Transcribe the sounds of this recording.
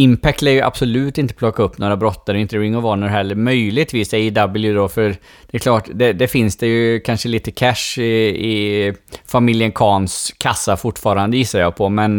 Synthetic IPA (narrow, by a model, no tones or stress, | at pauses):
ɪmpʰɛk̚t̪æɾjɵʔa̰b̥sɔlʉ̟ːt̪ɪnt̪ə̥pʰlɔkːaɵpːnoːɾabɾɔt̪ːaɾɔɪnt̪əɾɪŋːɔvɑːɳəɾɦɛlːəɾmœjlɪɡ̚t̪viːsɛɪd̪abəljɵd̪ɔfœɾ | d̪ɛklɑːʈd̪ɛd̪ɛfɪnsd̪ɛjɵkʰanʂəliːt̪əkʰæʂɪɪ | famɪljənkʰɑːnskʰasːafʊʈːfɑːɾand̪əjɪsːaɾjɑːɡpʰɔmɛn